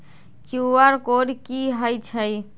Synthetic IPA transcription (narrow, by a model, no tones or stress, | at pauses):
kjuaɾkoɾikiɦəjt͡ʃʰəj